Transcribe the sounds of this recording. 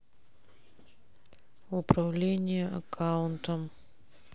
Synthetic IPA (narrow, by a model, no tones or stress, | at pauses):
ʊpɾɐvlʲenʲɪjəʔɐ̰kʰaʊnt̪əm